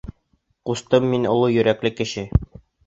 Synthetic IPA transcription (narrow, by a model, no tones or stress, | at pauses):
qust̪ɤmːinŏlˠujɵ̆ɾæklɘkɘ̆ɕɘ